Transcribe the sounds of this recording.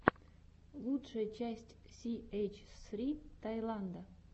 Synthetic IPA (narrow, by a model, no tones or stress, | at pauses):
lˠut̪ʂəjət͡ɕæsʲtʲsʲiejt͡ɕsɾʲit̪ajlˠand̪ə